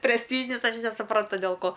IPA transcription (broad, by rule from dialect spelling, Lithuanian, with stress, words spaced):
pʲrʲɛsʲˈtʲiːʒʲɪnʲɪs ˈɐʃ nʲɛsʊˈprɐntʊ dʲɛlˠ ˈkoː